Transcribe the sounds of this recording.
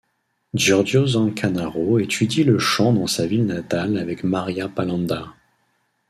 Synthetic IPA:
d͡ʒɔʁdozɑ̃kʰanaʁoet̪ʰyd̪iləʃɑ̃d̪ɑ̃savilnat̪alavɛkmaʁjapalɑ̃d̪a

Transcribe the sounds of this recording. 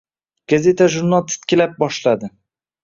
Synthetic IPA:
ɡ̥aze̞t̪ʰaʒʊɾnalˠt̪ʰɪ̥t̪kʲɪlap̚bɒʃlad̪ɪ

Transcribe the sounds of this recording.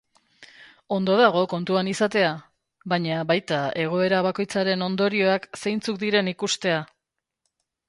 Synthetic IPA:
o̞nd̪o̞ðaɣ̞o̞ko̞nt̪uanisat̪e̞a | βaɲaβajt̪ae̞ɣ̞o̞e̞ɾaβ̞ako̞jt͡saɾe̞no̞nd̪o̞ɾio̞akse̞jnt͡suk̚d̪iɾe̞nikust̪e̞a

